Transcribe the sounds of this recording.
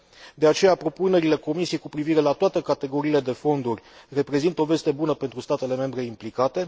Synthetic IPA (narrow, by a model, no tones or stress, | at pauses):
d̪e̞at͡ʃe̞japɾo̞pune̞ɾile̞ko̞misije̞jkupɾiviɾe̞lat̪oat̪e̞kat̪e̞ɡo̞ɾiːle̞d̪e̞fo̞nd̪urʲre̞pɾe̞zint̪o̞ve̞st̪e̞bunəpe̞nt̪ɾust̪at̪e̞le̞me̞mbɾe̞implikat̪e̞